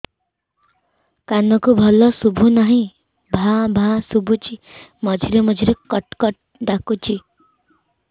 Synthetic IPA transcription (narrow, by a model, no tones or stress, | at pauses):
kanʌkubʱʌlʌsubʱunʌɦĩ | bʱãbʱãsubʱut͡ʃimʌd͡ʒʱiɾemʌd͡zʱiɾekʌʈkʌʈ̚ɖakut͡ʃi